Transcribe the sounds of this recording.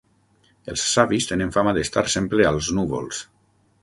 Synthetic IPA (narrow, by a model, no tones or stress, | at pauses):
elˠsːaβist̪eneɱfamaðest̪aɾsemplealˠznuβo̰lˠs